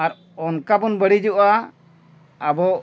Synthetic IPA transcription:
aɾ | ɔnkabɔnbəɽid͡ʒuʔa | bɔ

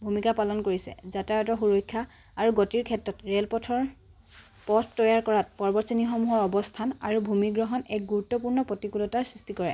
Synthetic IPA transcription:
bʱumikapalɔnkoɹisɛ̰zatajɔtɔxuɹojkʰːja | aɹuɡɔtiɹkʰɛtɹɔtɹelpɔtʰɔɹ | pɔtʰtːɔjaɹkɔɹat̚pɔɹbɔtsinixɔmuɦɔɹɔbɔstʰana̰ɹubʱumiɡɹɔɦɔnɛ̰k̚ɡuɹutːɔpuɹnɔpɔtikulɔtaɹsɹistikɔɹɛ

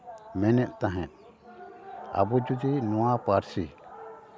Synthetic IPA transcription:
mɛnɛʔ̪̚ˀt̪aɦɛ̃t̪̚ | a̰bɔd͡ʒud͡ʒinɔwapaɾsi

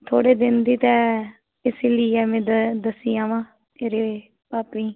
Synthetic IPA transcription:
t̪ʰoːɽeːd̪ɪnd̪iːt̪ɛː | ɪsliːɛːmɛ̃ːd̪əsːĩːãːʋãː | eːɾeː | paːpĩː

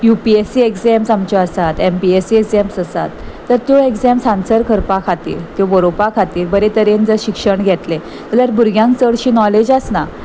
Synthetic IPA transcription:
jupiesiekd͡zɛmsamt͡ɕɔəsat̪empiesiekzɛmsəsa̰t̪ː | əɾt̪joekd͡zɛmsãnsəɾkʰəɾpakʰat̪ḭːɾt̪jobəɾopakʰat̪iːɾbəɾet̪əɾend͡zəɾɕikʂəɳɡʱɛt̪le | mələɾbʱuɾɡʱjãŋksəɽɕiːnɔled͡ʑasna

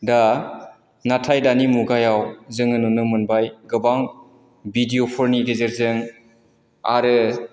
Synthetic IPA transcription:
da | natʰajdanimuɡajawzɯŋɯnunɯmɯnbajɡɯbaŋ | bidiopʰɔɾnidezeɾzɯŋ | a̰ɾɯ

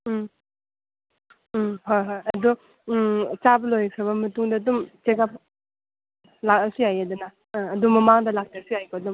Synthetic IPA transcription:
ɦojɦojɐdu | t͡ʃabɐlojɐkʰɾɐbɐmɐtuŋdɐːdumt͡ʃekap̚ | lakɐsijajadunaː | dumːɐmaŋdɐlak̚tasijajkoɐdum

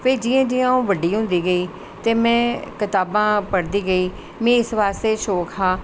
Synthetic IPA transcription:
pʰɪɾd͡ʒɪjãːd͡ʒɪjãːũːʋəɖiːɦʊ̃nd̪iːɡəiː | t̪eːmɛ̃ːkɪt̪aːbãːpəɽd̪iːɡəiː | mɛ̃ːɪsʋaːst̪eːʃoːkɦaː

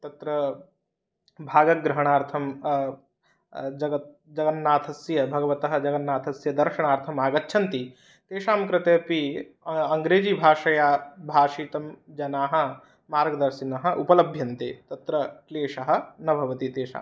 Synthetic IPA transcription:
t̪ɐt̪ɾɐ | bʱaːɡɐɡɾɐɦɐɳ̃aːɾt̪ʰɐm | d͡ʒɐɡɐt̪̚ | d͡ʒɐɡɐnːaːt̪ʰɐsjɐbʱɐɡɐʋɐt̪ɐɦɐ̆d͡ʒɐɡɐnːaːt̪ʰɐsjɐd̪ɐɾʂɐɽ̃aːɾt̪ʰɐmaːɡɐtːʃʰɐnt̪i | t̪eːʂaːmkɾɪt̪eːpi | ɐŋɡɾeːd͡ʒiːbʱaːʂɐjabʱaːʂiːt̪ɐmd͡ʒɐnaːɦɐ̆ | maːɾɡɐd̪ɐɾsinɐɦɐ̆ʔupɐlɐbʱjɐnt̪eːt̪ɐt̪ɾɐkleːʂɐɦɐ̆nɐbʱɐʋɐt̪it̪eːʃa̰ːm

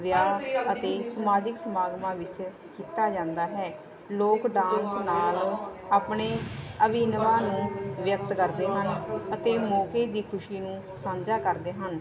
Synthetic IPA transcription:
ʋjaːət̪eːsəmaːd͡ʒɪksəmaːɡmãːʋɪt͡ʃ | kiːt̪aːd͡ʒãːnd̪aːɦɛː | loːkɖãːnsnaːlaːpɳeːəʋɪnʋaːnũːʋjək̚t̪kəɾd̪eːɦənət̪eːmɔːkeːd̪iːkʰʊʃiːnũː | sãːɲd͡ʒaːkəɾd̪eːɦən

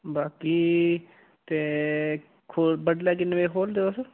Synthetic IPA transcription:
baːkiː | t̪eː | kʰoːbəɖlɛːk̬ɪnʋeːkʰoːld̪eːos

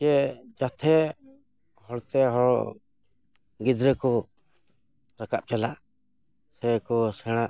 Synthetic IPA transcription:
ɛd͡ʒat̪ʰɛ | hɔɽt̪ɛɦɔɭ | ɡid̪ɾɛkɔ | ɾakap̚t͡ʃalaʔ | sɛkɔsɛɽ̃aʔ

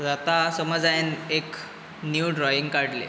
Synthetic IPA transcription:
d͡zat̪asəməd͡zajenek | njuɖɾɔjiŋɡkaɽlḛ

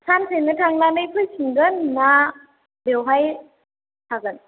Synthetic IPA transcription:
sʰansʰenɐtʰaŋnanɯjpʰɯjsʰiŋɡɯnːa | bewɦaj | tʰaɡɯn

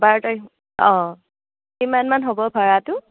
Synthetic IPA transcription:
baɹtɔj | ɔ̃ | kimanmanɦobɔpʰaɹatʊ

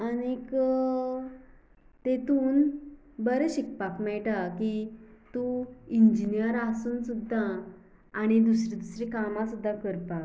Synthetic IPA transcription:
añikə | t̪et̪uːn | bəɾeɕik̚pakmɛɭʈakit̪uind͡ʑinijəɾasuːnsud̪ʱːaː | ɽ̃id̪usɾid̪usɾikamãsud̪ʱːakəɾpak

